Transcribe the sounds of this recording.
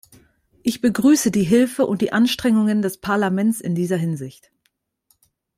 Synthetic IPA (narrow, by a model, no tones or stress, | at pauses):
ʔɪçb̥əɡʁyːsədiːɦɪlfəʔʊ̰nt̚d̥iːʔanʃtʁ̥ɛŋʊŋəndɛspʰaɐlamɛnt͡sɪ̰ndiːzɐɦɪnzɪçt